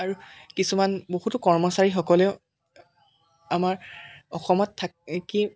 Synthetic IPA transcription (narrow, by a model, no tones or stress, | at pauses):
aɹukisumanboɦutʊkɔɹmɔsaɹixɔkɔleʊ | amaɹɔxɔmɔtʰːaki